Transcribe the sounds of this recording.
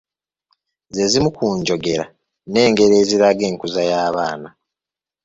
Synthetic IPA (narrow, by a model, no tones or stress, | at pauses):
ze̞zimukuːɲɟo̞ɡe̞ɾa | ne̞ːŋɡe̞ɾeːziɾaɡe̞ːŋkuzajaːβaːna